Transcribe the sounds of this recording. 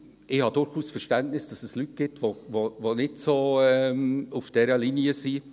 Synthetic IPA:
ʔɪhɑdʊɾχuːsfərʃtæntnɪsd̥ɑsɛslyt̚ɡ̥ɪtʋovovonɪtsoɛmufd̥ɛɾəliniəsi

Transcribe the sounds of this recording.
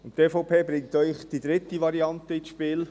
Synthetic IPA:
ʊnteːfɔʊpʰeːbɾɪŋ̚tœʏχd̥id̪ɾɪt̪ivɑɾiɑntəiʃpiːl

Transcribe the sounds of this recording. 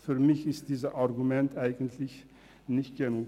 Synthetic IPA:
fyːɐmɪçɪstd̥iːzəʔaɐɡumɛntʰʔaɪɡn̩tʰlɪç | nɪçt̚ɡ̥enuː

